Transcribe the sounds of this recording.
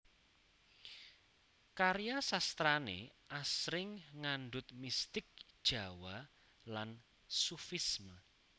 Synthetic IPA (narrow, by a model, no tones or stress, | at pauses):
kaɾjasast̪ɾanḛʔasɾɪŋŋanɖʊt̪̚mist̪ɪk̚d̥ʒ̥a̤wa | lan | sufismə